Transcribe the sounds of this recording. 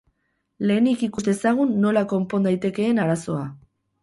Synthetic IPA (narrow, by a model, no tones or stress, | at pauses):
le̞ːnikikust̪e̞saɣ̞unːo̞lako̞mpo̞nd̪ajt̪e̞ke̞ːnaɾaso̞a